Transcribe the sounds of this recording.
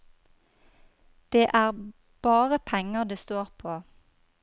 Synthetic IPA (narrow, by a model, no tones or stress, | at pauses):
d̪̥eːʔæːʁ | b̥ɑːʁəpʰɛŋəʁd̪eːst̪oːʁpʰoː